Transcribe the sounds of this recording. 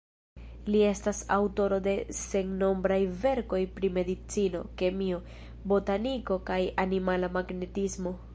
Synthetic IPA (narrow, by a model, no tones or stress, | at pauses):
lie̞stasa̰wto̞ɾo̞de̞se̞ŋno̞mbɾajve̞ɾko̞jpɾime̞dit͡sino̞̰ke̞mio̞ | bo̞taniko̞kajanimalamaɡne̞tismo̞